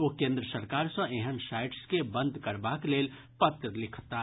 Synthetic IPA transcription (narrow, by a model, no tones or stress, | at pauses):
okẽːnd̪ɾəsəɾkaːɾsɔ̃ʔẽɦənsaːɪʈskebə̃nd̪ʱkɐɾbakleːl | pɐt̪ɾəlɪkʰt̪a